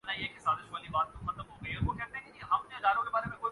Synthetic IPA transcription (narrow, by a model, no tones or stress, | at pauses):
nãiekʰesaːzɪʃʋəːlibaːt̪ːũxɐt̪əmɦoɡɐioʋokɛːɾt̪eɦẽkɪd͡ʑiẽɦɐmd͡ʑed̪aːɾõɾebaːɾemẽkoːi